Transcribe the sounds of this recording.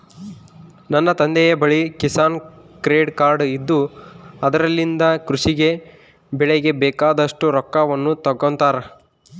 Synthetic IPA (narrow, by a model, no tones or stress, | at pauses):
nɐnːɐt̪ɐnd̪ɛjɐbɐɭikisaːn | kɾeːɖkaːɾɖid̪ːuɐd̪ɐɾɐlːind̪ɐkɾuʂiɡe̞ | bɛɭeɡe̞bɛːkaːd̪ɐʂʈuɾɔkːaʋɐnːut̪ɐɡːont̪aːɾe